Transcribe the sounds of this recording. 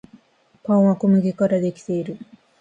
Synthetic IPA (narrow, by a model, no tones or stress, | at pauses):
pãɰ̃βakomɯɡʲekaɾad̪e̞kʲi̥t̪e̞iɾɯ̟